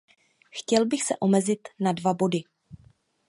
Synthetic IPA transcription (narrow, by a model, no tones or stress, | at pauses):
xcɛlbɪxsɛ̰ʔo̞mɛzɪt̪nadvabo̞dɪ